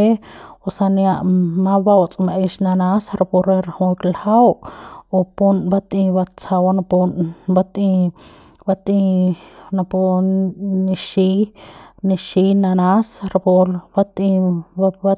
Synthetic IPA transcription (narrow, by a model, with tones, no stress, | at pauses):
e˦osa˧nja˧ʔmã˦ba˧wt͡sʼmaʔe˧ʃna˧nasɾa˧po˧ɾeɾahũ˧ɾlhawo˧punbat̪ʼĩ˧ba˧t͡sa˧wanapunbat̪ĩ˧ | bat̪ʼĩ˧na˧po˧ | niʃi˦niʃi˧na˧na˦sɾapo˧ɾbat̪ĩ˧ | a